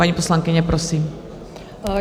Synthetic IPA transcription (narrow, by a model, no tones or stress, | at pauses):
aɲipɔslaŋkiɲɛpɾɔsiːm